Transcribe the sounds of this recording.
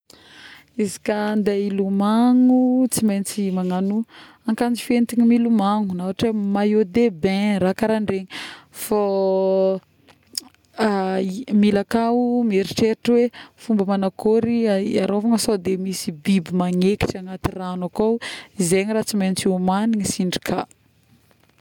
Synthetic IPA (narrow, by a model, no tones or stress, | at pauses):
izi̥kand̪ailumaŋut͡simejnt͡simaŋanu | aŋkand͡zifent̪iɲimilumaŋunawaʈ͡ʂemajod̪ebẽɾakaɾaɳɖ͡ʐeɲifa | milakaumieɾiʈ͡ʂeʈ͡ʂwefumbəmanakoɾiaɾovaŋəsod̪emisibibimaŋeki̥ʈ͡ʂaŋat̪iranakowizeɲiɾaːt͡siment͡siumaniɲisiɳɖ͡ʐi̥kʰa